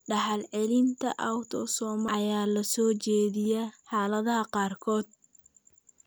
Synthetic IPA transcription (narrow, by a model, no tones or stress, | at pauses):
ɖɐħɑlʕɪlɪnt̪ʰɐ̰ʔɐwt̪ʰɔsɔːmɐjaːlɐsɔːt͡ʃɛːðɪjɛħɑːlɐðɐɦɐqɑːrkʰɔːd̪̚